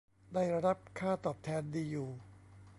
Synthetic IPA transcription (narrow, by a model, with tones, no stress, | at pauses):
daː˥˩jɾa˧ɾa˦˥p̚kʰaː˥˩t̪ɔː˨˩p̚t̪ʰɛː˧ndiː˧juː˨˩